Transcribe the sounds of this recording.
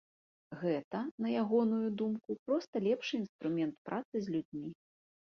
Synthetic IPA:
ɣɛt̪ɐnɐjaɣɔnujud̪umkupɾɔst̪ɐlʲɛpʂɨinst̪ɾumʲɛnt̪pɾʔat̪sɨzʲlʲud͡zʲmʲi

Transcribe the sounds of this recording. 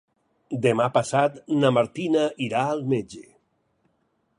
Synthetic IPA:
d̪emapasat̪namaɾt̪inaiɾaːlˠmed͡ʒe

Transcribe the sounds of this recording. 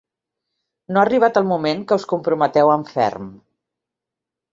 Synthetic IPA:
noaəriβ̞at̪əlˠmumeŋkəuskumpɾumət̪ɛwəɱfɛ̰ɾm

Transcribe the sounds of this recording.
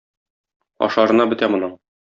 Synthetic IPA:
ɒ̰ʃɑɾɤ̆nɑbɵ̆t̪æmŏnɤɴ

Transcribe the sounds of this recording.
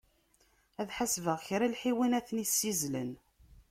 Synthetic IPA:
æðħasvəʁçɾalħiwinæθnisːizlən

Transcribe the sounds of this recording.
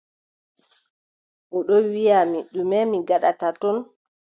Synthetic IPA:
ʔɔɗɔwijamiɗːumɛmiɡaɗatatɔn

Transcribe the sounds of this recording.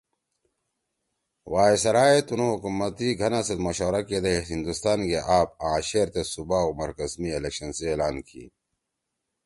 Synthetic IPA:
waːesɐɾaːet̪unũɦukumɐt̪iɡʱɐnãset̪mɐɕoːɾaked̪eind̪ust̪aːnkeʔaːbãːɕeːɾt̪esubaomɐɾkɐzmielekɕɐnseeːlaːnkḭː

